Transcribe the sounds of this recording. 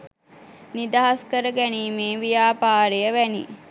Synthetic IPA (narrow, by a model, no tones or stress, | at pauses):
nid̪aɦaskəɾəɡæniːmeːʋijaːpaːɾejəʋænḭ